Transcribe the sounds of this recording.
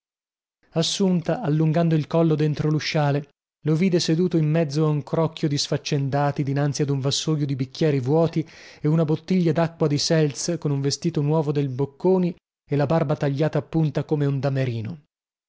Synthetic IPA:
asːunt̪aʔalːuŋɡand̪oilkɔlːod̪ent̪ɾoluʃːaːle | loviːd̪esed̪uːt̪oimːɛd̪zːoauŋkɾɔkːjod̪isfat͡ʃːend̪aːt̪id̪inant̪siad̪uɱvasːojod̪ibikːjɛːɾivwɔːt̪ieunabot̪ːiʎːad̪akːwad̪isɛlskonuɱvest̪iːt̪onwɔːvod̪elbokːoːni | elabarbat̪aʎːaːt̪aːpːunt̪akomeund̪ameɾiːno

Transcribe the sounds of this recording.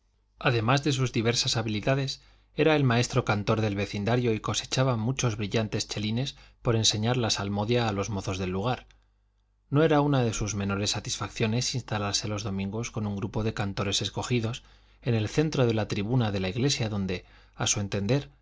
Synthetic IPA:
aðe̞mazðe̞suzðiβ̞e̞ɾsasaβiliðaðe̞s | e̞ɾae̞lmae̞st̪ɾo̞kant̪o̞ɾðe̞lβe̞θind̪aɾjo̞iko̞se̞̥t͡ʃaβamut͡ʃo̞zβɾiʎant̪e̞st͡ʃe̞line̞spo̞ɾe̞nse̞ɲaɾlasalmo̞ðjaːlo̞zmo̞θo̞zðe̞lːuɣ̞aɾ | no̞e̞ɾaunaðe̞suzmẽ̞no̞ɾe̞sːat̪isfakθjo̞ne̞sinst̪alaɾse̞lo̞zðo̞mĩŋɡo̞sko̞nuŋɡɾupo̞ðe̞kant̪o̞ɾe̞se̞sko̞xiðo̞s | e̞ne̞lθe̞nt̪ɾo̞ð̞e̞lat̪ɾiβ̞unaðe̞laiɣle̞sjaðo̞nd̪e̞ | asue̞nt̪e̞nd̪e̞ɾ

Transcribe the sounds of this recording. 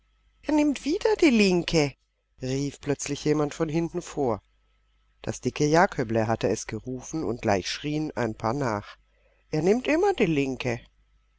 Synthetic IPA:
ʔeːɐnɪmtv̥iːdɐd̥iːlɪŋkʰə | ʁiːfpl̥œt͡slɪçjeːmantfɔnɦɪntn̩foːɐ | d̥a̰sd̥ɪkʰəjaːkhœbləɦatəɛsɡ̥əʁuːfn̩ʊ̰nt̚ɡ̥la̰ɪçʃʁ̥iːənʔa̰ɪnpʰaːɐnaːχ | ʔeːɐnɪmtʔɪmɐd̥iːlɪŋkʰə

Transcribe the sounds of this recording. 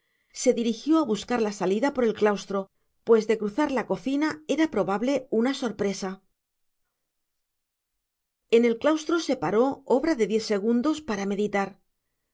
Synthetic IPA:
se̞ðiɾixjo̞aβuskaɾlasaliðapo̞ɾe̞lklawst̪ɾo̞ | pwe̞zðe̞kɾuθaɾlako̞θinae̞ɾapɾo̞βaβle̞unaso̞ɾpɾe̞sa | e̞ne̞lklawst̪ɾo̞se̞paɾo̞o̞βɾaðe̞ðje̞θse̞ɣund̪o̞spaɾame̞ðit̪aɾ

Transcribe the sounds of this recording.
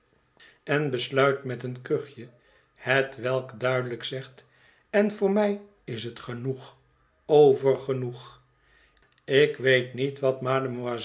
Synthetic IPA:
ɛnbəslœɥtmɛtənkɵχjə | hətʋɛlˠkdœɥdələksɛχt | ɛnvʊːɹmɛj | ɪsɦətχənuχ | owvəɹχənuχ | ɪkʋejtnitʋɑtmaːdəmya

